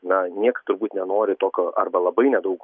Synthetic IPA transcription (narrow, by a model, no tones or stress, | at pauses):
nɐnʲiɛkɐt̪ʊɾbuːt̪nʲɛnoːɾʲɪt̪oːkʲoːʔɐ̰rbɐlˠɐbɐɪnʲɛd̪ɐʊk